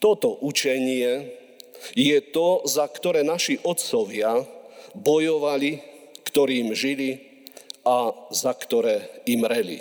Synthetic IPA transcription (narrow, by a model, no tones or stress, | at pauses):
t̪ɔt̪ɔʔut͡ʃɛɲɪɛ | jɛt̪ɔzakt̪ɔɾɛːnaʃiʔɔt̪t͡sɔʋɪabɔjɔʋalikt̪ɔɾiːmʒili | azakt̪ɔɾɛːimɾɛlḭ